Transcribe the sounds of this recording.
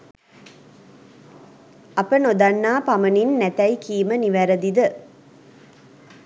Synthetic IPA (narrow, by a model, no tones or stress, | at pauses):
ɐpənod̪anːaːpaməninːæt̪æjkʰiːməniʋæɾəd̪id̪ə